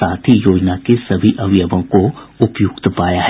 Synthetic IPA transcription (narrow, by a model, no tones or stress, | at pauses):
aːt̪ʰijoːd͡ʒnakesɐbʱiʔɐʋjəʋõkoʊpjʊkt̪paːjaɦɛ